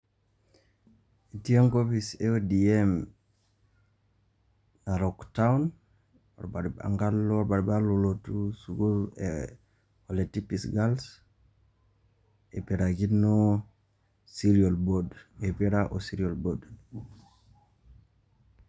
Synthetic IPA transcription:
etioŋkopiseodiem | naɾɔktawn | o̰ɾbaɾa̰ŋɡalɾbaɾbalolotusuɡuḛ | oletipisɡals | epeɾaɡino | siɾiolbodepeɾaʔosiɾiolbod

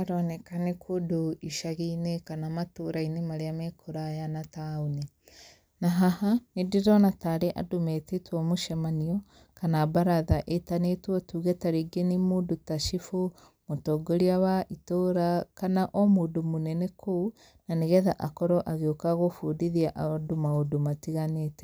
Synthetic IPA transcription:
aɾɔnɛkanekʰodoiʃaɣeinekanamatoɾainemaɾeamɛkʰoɾajanataoni | naɦahanediɾɔnataːɾeʔa̰domɛtetwɔmoʃɛmaniɔ | kanabaɾaðaʔetanetwɔtuːɣɛtaɾeɡenimoːdotaʃifo | motɔɡoɾiawaʔitoɾakanaʔɔmoːdomonɛnɛkʰou | naneɣɛðaʔakɔɾɔʔaɣeokaɣofudiðiaʔadomaodomatiɣaneːtɛ̥

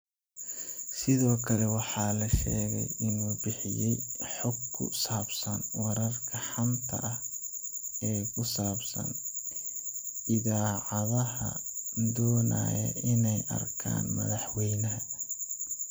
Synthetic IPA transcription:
sɪðɔːkʰɐlɛwɑħɑːlɐʃɛ̰ːɣɛ̰jʔɪnuːbɪħɪjɛjħɔɡkʰːʊ̰saːbsɐnwɑɾɐrkʰɐħɑmt̪ʰɐ̰ʔɐh | ɛːkʰʊsaːbsɐ̰n | ɪðaːʕɑðɐhɐ̰d̪ɔːna̰ːjɛ̰ʔɪnɛjʔɐ̰rkʰa̰ːnmɐ̰ðɑħwɛjnɐɦɐ

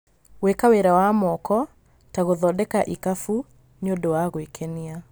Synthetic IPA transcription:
wekaweɾawamɔkɔ | taɣoðɔdɛkaʔikafu | njodowaɣowekʰɛnia

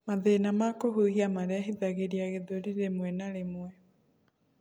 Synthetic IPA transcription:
maðenamakoɦuɦiamaɾɛaɦiðaɣeɾiaɣeðoɾiɾemwɛnaɾemwɛ

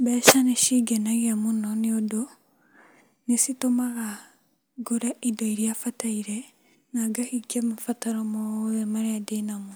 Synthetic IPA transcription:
bɛːʃaneʃiɡenaɣamunoniodo | nesitomaɣa | ɡoɾaʔidoiɾijafataiɾe | naɡahiɡiamafataɾomoemaɾeadenamu

